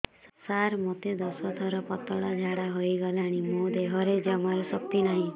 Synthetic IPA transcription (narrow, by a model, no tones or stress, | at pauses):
saɾmot̪ed̪ɔsɔt̪ʰɔɾɔpɔt̪ɔɽad͡ʒʱaɽaɦojɡɔlaɽ̃imod̪eɦɔɾed͡ʒamaɾɔsɔk̚t̪inaɦĩ